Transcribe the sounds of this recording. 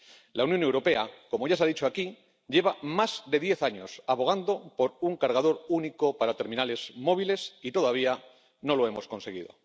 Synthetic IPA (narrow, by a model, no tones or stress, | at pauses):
lawnjo̞ne̞wɾo̞pe̞ako̞mo̞ʝas̬aðit͡ʃoaki | ʎe̞βamazðe̞ð̞je̞θaɲo̞saβo̞ɣand̪o̞po̞ɾuŋkaɾɣað̞o̞ɾuniko̞paɾat̪e̞ɾmĩnale̞z̥mo̞β̞ile̞sit̪o̞ðaβ̞ia | no̞lo̞e̞mo̞sko̞nse̞ɣiðo̞̰